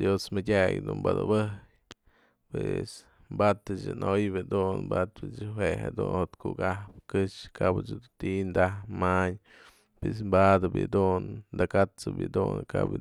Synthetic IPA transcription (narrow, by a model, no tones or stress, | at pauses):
d̪josmɨdʲaɡd̪umbad̪ɨbɨhj | pes | mbat̪ɨt͡ʃɨnojbɨd̪unbat̪pɨt͡ʃɨɦweha̰d̪unhot̪kukahpkɨʂkabɨt͡ʃɨd̪ut̪ind̪ahmaɲ | pes̬mbad̪ɨbjɨ̰d̪und̪akat͡sɨbjḭd̪unka̰b